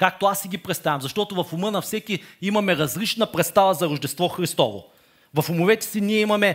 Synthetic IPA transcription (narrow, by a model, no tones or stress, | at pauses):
kak̚t̪oasːiɡʲipɾɛt̪st̪avʲɐ̃mzɐʃt̪ɔt̪ʊvɐfʊmɤnɐfsɛkiimɐmɛɾɐzlit͡ʃnɐpɾɛt̪st̪avɐzɐɾʊʒd̪ɛst̪vɔxɾist̪ɔvo̰ | vɐfʊmʊvɛt̪ɛ̥siniɛimɐmɛ